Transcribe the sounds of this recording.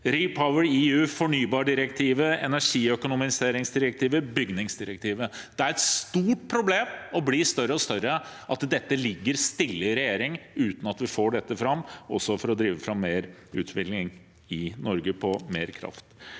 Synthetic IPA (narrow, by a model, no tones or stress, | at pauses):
ɾipʰaʊəɾiːʉːfɔɳyːbɑːɖɪɾəkt̪ʰiːʋəɛ̰næʂiːœkʊnʊmɪseːɾɪŋsd̪ɪɾək̚t̪ʰiːʋəbʏɡnɪŋsd̪ɪɾək̚t̪ʰiːʋəd̪̥ɛæɾɛt̪st̪uːʈ̚pʰɾʊbleːmɔbliːst̪œɾəɔst̪œɾəʔɑt̪d̪ɛt̪ːəlɪɡːəɾst̪ɪlːəɾɛjeːɾɪŋʉːt̪n̩ɑt̪ʋɪfoːɖɛt̪ːəfɾɑmːɔsːɔfɔɾɔd̪ɾiːʋəfɾɑmːeːɾʉ̰ːt̪ʰʋɪklɪŋ | ɪnɔɾɡəpʰɔmeːɾkʰɾɑ̰ft̪